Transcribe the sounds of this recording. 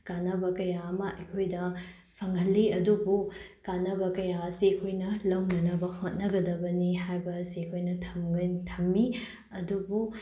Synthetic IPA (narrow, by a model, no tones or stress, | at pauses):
kanɐbɐkɐjaɐmɐʔɐjkʰojdɐ | pʰɐŋɐlːiɐdubukanɐbɐkɐjaɐsiɐkʰojnɐlɐwnɐnɐbɐhot̚nɐɡɐdɐbɐnihajbɐsikʰojnɐtʰɐmɡɐtʰɐmːi | ɐdubu